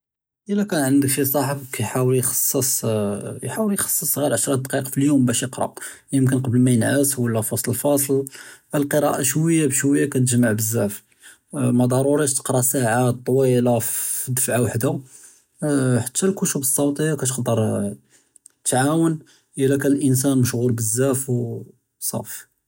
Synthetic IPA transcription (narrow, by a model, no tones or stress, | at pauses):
ʔəlːækænʕənd̪əkfisˤɑħəbkæjħawəljxɑ̥sˤːəsˤ | jħawəljxɑ̥sˤːəsˤɣilʕəʃɾˤɑd̪qiqfiljumbæʃjəqɾˤɑ̰ʔ | jəmk̬ənqɑbəlmæjənʕəswəlːæfɑsˤləlfɑsˤlʔælqəɾˤɑʔaʃwəjːabʃwəjːakæt̪̬əʒmːaʕbəzːæf | mæd̪ˤɑɾˤuɾiʃt̪ə̥qɾˤɑsaʕat̪ˤːwilæd̪əfʕawaħd̪a | ħḁt̪ʰːælkʊʃubəsˤːɑwt̪ˤəjːɑkæt̪̬əxd̪əɾˤ | t̪ʕawən | ʔəlækæəlʔəns̬ænməʃɣuɾbəzːæfw | sˤɑ̰f